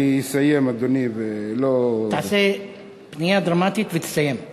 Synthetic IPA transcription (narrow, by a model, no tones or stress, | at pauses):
isajemad̪onivelot̪aʕase | pnijad̪ʁamat̪it̪vet̪e̥sajem